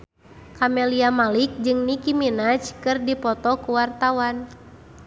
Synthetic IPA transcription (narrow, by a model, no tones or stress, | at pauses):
kamɛliamalik̚d͡ʒɨŋnikiminat͡ʃkɨrdipɔt̪ɔkuwart̪awan